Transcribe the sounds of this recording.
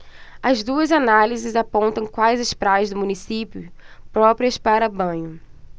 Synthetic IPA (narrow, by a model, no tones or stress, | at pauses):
ɐzd̪uɐzanalizɪzapõnt̪ɐ̃w̃kwajzɐspɾajɐzd̪ʊmũnisipjʊpɾɔpɾiɐspaɾɐbɐ̃ɲʊ